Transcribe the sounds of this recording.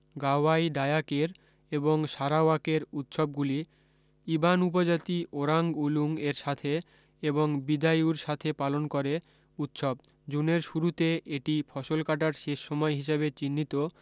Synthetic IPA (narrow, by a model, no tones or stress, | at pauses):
ɡaajɖajakeɾ | eboŋʃaɾaakeɾut̪ʃob̚ɡuli | ibanup̬od͡ʑat̪iʔoɾaŋɡuluŋeɾʃat̪ʰe | eboŋbid̪ajuɾʃat̪ʰepalonkoɾe | ut̪ʃob | d͡ʑuneɾʃuɾut̪eʔeʈifʰɔʃolkaʈ̬aɾʃeʃːɔmɔeɦiʃebet͡ɕinːit̪o